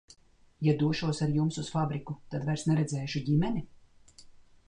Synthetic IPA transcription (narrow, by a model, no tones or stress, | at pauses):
jad̪uɔʃuɔsaɾjumsusfabɾikut̪ad̪vajɾsnɛɾɛd̪zɛːʃuɟimɛni